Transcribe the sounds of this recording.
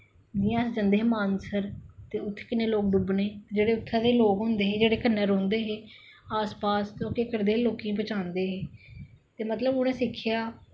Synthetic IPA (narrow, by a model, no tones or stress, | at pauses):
d͡ʒɪːãːsd͡ʒə̃nd̪eːɦmaːnsəɾt̪eːʊt̪ʰːkɪneːloːk̚ɖʊbneːt̪ːd͡ʒeːɽeːʊt̪ʰːãːd̪eːloːkɦʊ̃ːnd̪eːɦeːd͡ʒeːɽeːkənːəɾõːnd̪eːɦeː | aːspaːst̪õːkeːkəɾd̪eːloːkijãːbət͡ʃãːnd̪eːɦeː | t̪eːmət̪ləbʊnẽːsɪkʰːɪjaː